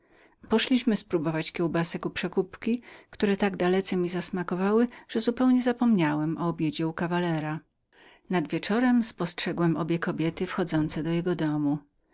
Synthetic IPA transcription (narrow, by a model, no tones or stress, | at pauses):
pɔʂlʲiɕmɘspɾubɔvat͡ɕkʲɛwbasɛkupʂɛkupkʲikt̪uɾɛt̪aɡd̪alɛt̪sɛmʲizasmakɔvawɘʐ̥ɛzupɛwɲɛzapɔmɲawɛmɔɔbʲjed͡ʑɛukavalɛɾa | nad̪vʲjɛt͡ʂɔɾɛmspɔstʂɛɡwɛmʔɔbʲjɛkɔbʲjɛt̪ɘfxɔd̪zɔnt̪sɛd̪ɔjɛɡɔd̪ɔmu